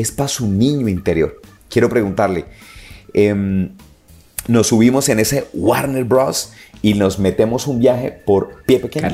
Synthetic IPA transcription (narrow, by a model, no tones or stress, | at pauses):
espasunĩɲoint̪eɾjo̞̰ɾ | kje̞ɾopɾe̞ɣunt̪aɾle | em | no̞suβimo̞se̞ne̞se̞waɾneɾbɾosino̞zme̞t̪e̞mo̞sumbjaxe̞̰po̞ɾpjepekeɲ